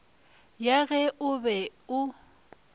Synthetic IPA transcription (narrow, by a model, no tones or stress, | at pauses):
jaɣɛʔʊbɛʊ